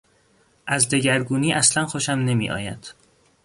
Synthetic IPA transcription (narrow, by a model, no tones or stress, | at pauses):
ʔæzd̪e̞ɟæɾɡuːniːʔæslænxoʃæmne̞mḭːʔɒ̰ːjæ̰d̪̥